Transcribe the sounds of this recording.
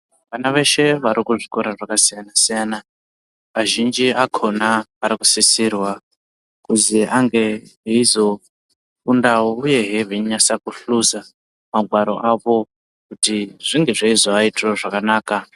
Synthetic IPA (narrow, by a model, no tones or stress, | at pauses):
ʋanaʋe̞ʃe̞ʋaɾikuʐikoɾaʐakasijanasijana | ʋaʒind͡ʒiʔakʰo̞naːɾikusisirwa | kuziʔaŋɡe̞ɦeizo̞ | undaouje̞ɦeviɲasakuɬuza | maɡʱwaɾo̞ʔaʋo̞ | kutiʐ̥iŋɡe̞ʐeizoaitoʐakanaːka